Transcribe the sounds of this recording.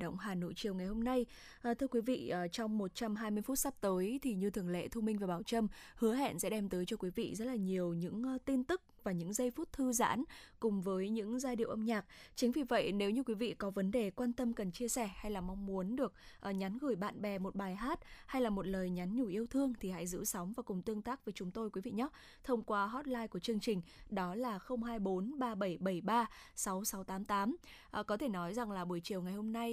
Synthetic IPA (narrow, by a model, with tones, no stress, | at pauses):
ɗə̰˧˨wŋ͡mɦaː˨˩no̰˧˨jt͡ɕi˨˩əwŋa˨˩jho˧mna˧j | ʔːt̪ʰɨ˧əkwi˨˦vḭ˧˨əː˨˩t͡ɕɔ˧wŋ͡mmo˨˩t̚t͡ɕa˧mɦaː˧jmɨ˧əjfu˦˥t̚sa˦˥p̚t̪əː˨˦jt̪ʰi˨˩ɲɨ˧t̪ʰɨ˨˩əŋlḛ˧˨t̪ʰu˧mï˧ŋvaː˨˩ɓaː˧˩wt͡ɕə˧mhɨ˨˦əɦɛ̰˧˨nsɛ̰˧˥ɗɛ˧mt̪əː˨˦jt͡ɕɔ˧kwi˨˦vḭ˧˨zə˦˥t̚laː˨˩ɲi˨˩əwɲɨ̰˧˥ŋ˨˧t̪i˧nt̪ɨ˦˥k̚vaː˨˩ɲɨ̰˧˥ŋzə˧jfu˦˥t̚t̪ʰɨ˧za̰ː˧˥nkʊ˨˩ŋ͡mvəː˨˦jɲɨ̰˧˥ŋzaː˧ɗḭ˧˨əwʔə˧mɲaː˨˩k̚t͡ɕï˨˦ŋ̟vi˨˩və̰˧˨jne˨˦wɲɨ˧kwi˨˦vḭ˧˨kɔ˨˦və˨˦nɗe˨˩kwaː˧nt̪ə˧mkə˨˩nt͡ɕi˧əsɛ˧˩ha˧jlaː˨˩ma˧wŋ͡mmu˨˦ənɗɨ˨˩ək̚ʔɲa˨˦nɣɨ˧˩jɓa̰ː˧˨nɓɛ˨˩mo˨˩t̚ɓaː˨˩jɦaː˦˥t̚ha˧jlaː˨˩mo˨˩t̚ləː˨˩jɲa˨˦nɲu˧˩ʔi˧əwt̪ʰɨ˧əŋt̪ʰi˨˩ha̰˧˥jzɨ̰˧˥sɔ˨˦wŋ͡mvaː˨˩kʊ˨˩ŋ͡mt̪ɨ˧əŋt̪aː˦˥k̚vəː˨˦jt͡ɕʊ˨˦ŋ͡mt̪o˧jkwi˨˦vḭ˧˨ɲɔ˦˥ | t̪ʰə˧wŋ͡mkwaː˧ɦɔ˦˥t̚laː˧jku˧˩ət͡ɕɨ˧əŋt͡ɕï˨˩ŋ̟ɗɔ˨˦laː˨˩xə˧wŋ͡mhaː˧jɓo˨˦nɓaː˧ɓə˧˩jɓə˧˩jɓaː˧sa˨˦wsa˨˦wt̪aː˨˦mt̪aː˨˦m | ʔkɔ˨˦t̪ʰe˧˩nɔ˨˦jza˨˩ŋlaː˨˩ɓu˧˩əjt͡ɕi˨˩əwŋa˨˩jho˧mna˧j